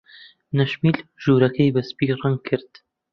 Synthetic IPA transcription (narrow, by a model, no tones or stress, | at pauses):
nɐʃmiːlʒuːɾɐkʰɐjbɐspiːrɐŋɡ̚kʰːɨɾd̪̥